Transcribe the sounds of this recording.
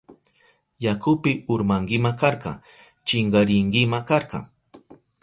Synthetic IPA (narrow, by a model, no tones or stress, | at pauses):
jakʰʊpɪʊɾmaŋɡɪmakaɾqɑ̰ | t͡ʃɪŋɢɑɾɪŋɡɪmakaɾqɑ̰ŋ